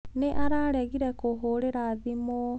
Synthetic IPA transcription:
neʔaɾaɾeɣiɾekoɦoɾeɾaðimo

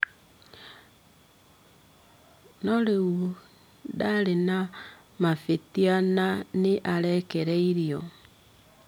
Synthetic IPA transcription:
nɔɾeu | daɾena | mafetiananeʔaɾɛkɛɾɛiɾiɔ

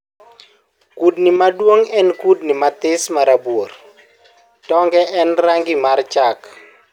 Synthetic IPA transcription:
kudnimadwoŋɛnkudnimat̪ɪsmaɾabwor | tɔŋɡɛʔɛnraŋɡɪmart͡ʃak

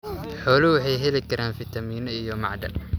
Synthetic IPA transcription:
ħɔːlɪwɑħɑjɦɛlɪkʰɐɾaːnfɪt̪ʰɐmiːnɐijɔmɑʕd̪ɐ̰l

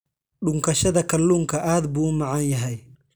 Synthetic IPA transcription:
ɗʊŋkʰɐʃɐðɐkʰɐlːuːŋkʰɐʔaːd̪buːmɑʕɑnjɐɦɛj

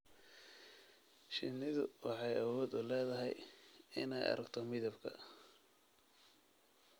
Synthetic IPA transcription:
ʃɪnːɪðʊwɑħɑjɐwɔːd̪ʊlɛːðɐɦɛjɪnɛjɐ̰ɾɐɡt̪ʰɔmɪðɐbkʰɐ̰

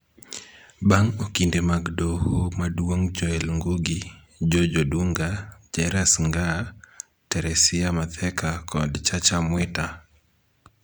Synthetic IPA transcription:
baŋokindemaɡdohumadwoŋd͡ʒɔɛlŋɡuɡi | d͡ʒod͡ʒoduŋɡad͡ʒɛɾasŋɡa | tɛɾɛsɪamat̪ʰɛkakʰɔdt͡ʃat͡ʃamwɛta

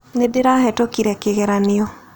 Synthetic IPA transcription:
nedɪɾaɦɛtokiɾɛkɪɣɛɾanɪo

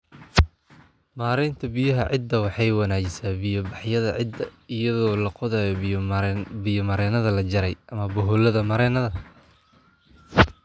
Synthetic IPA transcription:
maːɾɛjnt̪ʰɐbɪjɐɦɐʕɪd̪ɐwɑħɑjwɑnaːd͡ʒɪsaːbɪjɔbɑħjɐðɐʕɪd̪ɐɪjɐðɔːlɐqʊðɐːjɔ | bɪjɔmɐɾɛːnɐðɐlɐd͡ʒɐɾɛjʔɐmɐbɔɦɔlɐðɐmɐɾɛːnɐðɐ

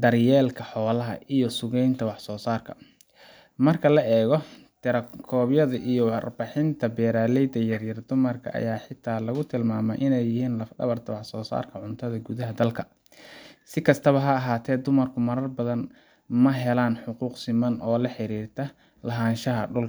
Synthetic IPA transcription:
d̪ɐrjɛːlkʰɐħɔːlɐɦɐ̰ʔijɞsʊɣɛjnt̪ʰɐwɑħsɔːsaːrkʰɐ̥̰ | mɐrkʰɐlɐʔɛːɣɔ | t̪ʰɛɾɐkʰɔːbjɐðɐʔijɔwɑrbɐħɪnt̪ʰɐbɛːɾaːlɛjd̪ɐjɐrjɐrd̪ʊmɐrkʰɐ̰ʔɐ̰jaːħɪt̪ʰːaːlɐɣʊt̪ʰɪlmaːmɛ̰jʔɪnɛjːɪɦiːnlɐfɖɐ̰βɐrt̪ʰɐwɑħsɔːsa̰ːrkʰɐʕʊnt̪ʰɐðɐɡuðɐɦɐd̪ɐlkʰɐ | sɪkʰɐst̪ʰɐβɐɦɐːɦaːt̪ʰɛːd̪ʊmɐrkʰʊmɐɾɐrbɐðɐn | mɐɦɛlaːnħʊquːqsɪmɐnʔɔːlɐħɪɾiːrt̪ʰɐ | lɐɦaːnʃɐɦɐɖʊl

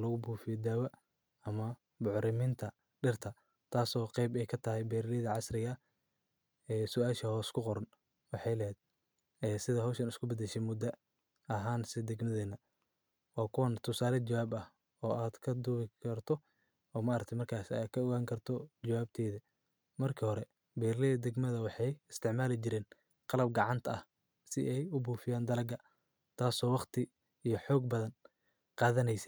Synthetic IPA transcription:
lɔɣʊbuːfɪjɔd̪aːwɐ | ɐmɐ | bʊʕɾɪmɪnt̪ʰɐ | ɖɪrt̪ʰɐ | t̪ʰaːsɔːqɛjbɛjkʰɐt̪ʰɐɦɛjbɛːɾɪlɪðɐʕɑsrɪɣɐ | ɛːsʊaːʃɐhɔːskʰʊqɔɾɐn | wɑħɑjlɛɦɛːd̪̚ | ɛːsɪðɐɦɔːʃɐnɪskʰʊbɐd̪ɛʃɛmʊd̪ɐ | ɐɦaːnsɪd̪ɛɡmɐðɛːnːɐ | wɑːkʰʊwɐnt̪ʰʊsaːlɛt͡ʃɐwaːbɐh | ɔːʔaːd̪kʰɐd̪ʊβɪkʰɐrt̪ʰɔ | ɔːmaːɾɐk̚t̪ʰɛjmɐrkʰaːsɪa̰ːd̪̚kʰɐɔɣaːŋkʰɐrt̪ʰɔd͡ʒɐwaːb̚t̪ʰɛːðɐ | mɐrkʰɐhɔɾɛ | bɛːrlɐðɐd̪ɛɡmɐðɐwɑħɑjɪst̪ʰɪʕmaːlɪt͡ʃɪɾɛːn | qɑlɐb̚ɡɑʕɑnt̪ʰɐɐh | sɪʔɛjʊbuːfɪjaːnd̪ɐlɐɡɐ | t̪ʰaːsɔːwɑqt̪ʰɪ | ijɞħɔːɡ̚bɐðɐn | qɑːðɐnɛjsɛ̥

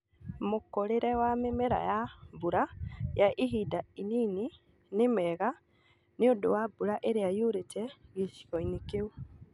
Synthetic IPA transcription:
mokoɾeɾɛwamemɛɾa̰jabuɾajaʔiɦidainiːni | nemɛɣa | neodowabuɾaʔeɾeajuɾetɛɣisi̥ɣɔinikeu

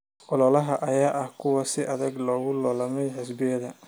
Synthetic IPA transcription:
ʔɔlɔlɐɦɐʔɐjaːʔɐhkʰʊwɑsɪʔɐðɐɡlɔːɣʊlɔːlɐmɛjħɪsbɪjɐðɐ

